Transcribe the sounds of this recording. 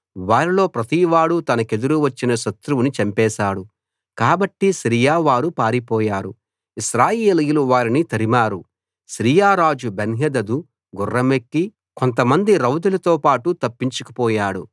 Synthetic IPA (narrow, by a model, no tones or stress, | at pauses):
ʋaːɾilo̞ːpɾɐt̪iʋaːɽut̪ɐnɐke̞d̪uɾuʋɐt͡ʃːinɐʃɐt̪ɾuʋunit͡ʃɐmpɛːʃaːɽu | kaːbɐʈːiʃɾijaːʋaːɾupaːɾipɔːjaːɾu | iʃɾaːjeːlijuluʋaːɾinit̪ɐɾimaːɾu | ʃɾiːjaːɾaːd͡ʒubenɦɐd̪ɐd̪u | ɡurːɐmekːi | ko̞nt̪ɐmɐnd̪iɾɐwd̪ulɐt̪oːpaːʈut̪ɐpːiɲt͡ʃukɐ̥pɔːjaːɽṵ